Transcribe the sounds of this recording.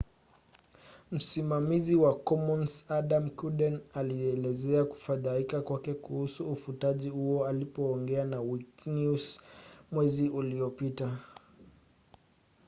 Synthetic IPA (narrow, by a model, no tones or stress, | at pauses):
m̩simamiziwakɔmɔnsaɗamkuɗɛnaliɛlɛzɛaku̥faðaikakwakɛkuhusuːfutaʄihuɔalipɔːŋɡɛanawiknusmwɛziʔuliɔpita